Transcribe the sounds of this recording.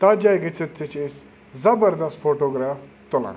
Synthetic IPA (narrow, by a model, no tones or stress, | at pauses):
t̪ad͡ʑajɡet͡sit̪ʰːət͡ʃes | zɐbəɾd̪ɐst̪foʈoɡɾaf | t̪olã̰